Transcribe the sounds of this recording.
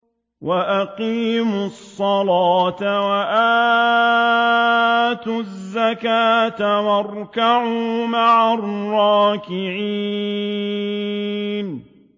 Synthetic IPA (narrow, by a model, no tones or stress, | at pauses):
waʔaqiːmsˤːɑlaːt̪awaʔaː | t̪ʊzzːakaːt̪awɑɾˤkaʕumaʕarˤːɑːkɪʕiː | n